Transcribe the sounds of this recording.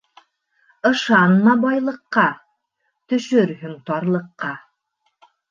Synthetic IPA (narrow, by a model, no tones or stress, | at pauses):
ɤ̆ʃɑnmɑbɑjlˠɤ̆qːɑ | t̪ɵ̆ʃɵɾɦɵŋt̪ɑɾlˠɤ̆qːɑ